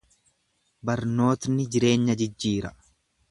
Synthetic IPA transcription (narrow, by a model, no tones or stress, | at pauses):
bɐɾno̞ːt̪nɪd͡ʒɪɾe̞ːɲːɐd͡ʒɪd͡ʒːiːɾɐ